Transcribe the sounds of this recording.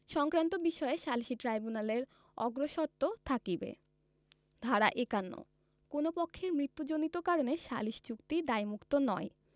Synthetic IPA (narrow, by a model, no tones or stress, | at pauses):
ʃɔŋkɾant̪obiʃɔeʃalʃiʈɾajbunaleɾ | ɔɡɾoʃɔt̪ːot̪ʰakibḛ | d̪ʱaɾaʔekanːo̰ | konopokʰːeɾmɾit̪ːud͡ʑonit̪okaɾoneʃa̰liʃi̥t͡ɕukt̪id̪ajmukt̪onɔj